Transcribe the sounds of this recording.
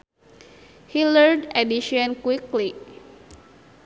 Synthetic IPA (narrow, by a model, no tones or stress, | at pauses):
hiləɹdɛdiʃɔ̃nkwikli